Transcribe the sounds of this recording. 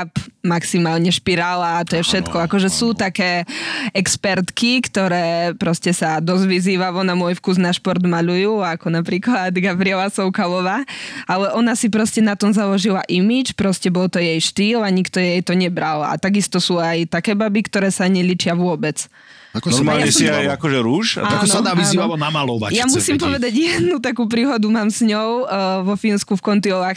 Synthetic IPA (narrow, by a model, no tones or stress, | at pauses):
apmaksimaːlɲɛʃpiɾaːlaːt̪ɔjɛfʃɛt̪kɔakɔʒɛsuːt̪akɛːʔɛkspɛɾt̪kikt̪ɔɾɛːpɾɔscɛsad̪ɔzʋiziːʋalɔnamʊɔjfkuznaʃpɔɾd̪maʎujuːakɔnapɾiːklad̪ɡabɾiɛlasɔʊkalɔʋaːalɛʔɔnasipɾɔscɛnat̪ɔmzalɔʒilaʔimit͡ʃpɾɔscɛbɔlt̪ɔjɛjʃt̪iːlaɲikt̪ɔjɛjt̪ɔɲɛbɾala̰t̪aɡist̪ɔsuajt̪akɛːbabikt̪ɔɾɛːsaɲɛʎiːt͡ʃɪaʋʊɔbɛt͡s | ak̪ɔmaːljaɲɛsiajakɔʒɛɾuːʃaɔnsad̪aːʋizniːaɔnamalɔʋa̰jamusiːmpɔʋɛd̪aɟjɛd̪nut̪akuːpɾiːɦɔd̪umaːmsɲɔʊʋɔfinskufkɔnt̪iɔʋaːx